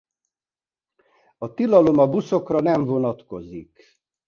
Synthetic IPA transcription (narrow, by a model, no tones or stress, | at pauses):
ɒt̪ilɒlo̞mɒbuso̞krɒnɛɱvo̞nɒt̪ko̞zik